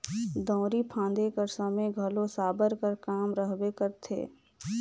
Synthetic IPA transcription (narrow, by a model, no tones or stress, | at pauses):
d̪ɔ̃ːɾipʰãːnd̪ekəɾsəmeɡʱəlõsaːbəɾkəɾkaːmɾəɦbekəɾt̪ʰḛː